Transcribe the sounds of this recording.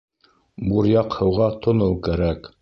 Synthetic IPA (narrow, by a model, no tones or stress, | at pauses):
buɾjɑqhɤ̆wʁɑt̪ʰŏnɤlˠkæɾæk